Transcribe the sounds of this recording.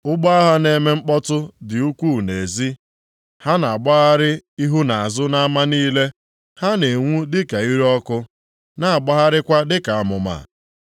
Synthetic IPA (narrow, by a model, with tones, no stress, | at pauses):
ʊ˦ɡ͡bɔ˦a˦ɦa˦ne˨me˦ŋ͡m̩˦k͡pɔ˦tʊ˦dɪ˨u˦kʷu˦˨ne˨zi˦ | ha˦na˨ɡ͡ba˦ɦa˦ɾɪ˦i˦ɦu˦na˨a˨zʊ˦na˦a˦ma˦niː˦le˦ | ha˦ne˨ŋʷu˦dɪ˦ka˨i˦ɾɔ˦kʊ˦ | na˦a˨ɡ͡ba˦ɦa˦ɾɪ˦kʷa˦dɪ˦ka˨a˨mʊ˨ma̰˨